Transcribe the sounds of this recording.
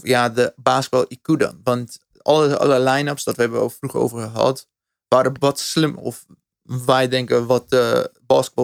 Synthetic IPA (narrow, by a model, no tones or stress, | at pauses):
jadəbaːskəbɔlˠʔikudɔ̰nʋɑnt | ɑlˠəɑ̰ləlɛjnəpsdɔtʋəɦɛbəɔ̰lˠfruχo̰wvərχəɦɑ̰t | ʋaːɾəʋɔtslɪmɔ̰f | ʋɛjdɛŋkəʋɔt̚əbaːskəbɔ